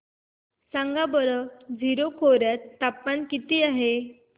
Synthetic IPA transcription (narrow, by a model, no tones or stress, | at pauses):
sãŋɡabəɾəd͡zʱiɾokʰoɾjat̪ːapːankit̪iːaɦe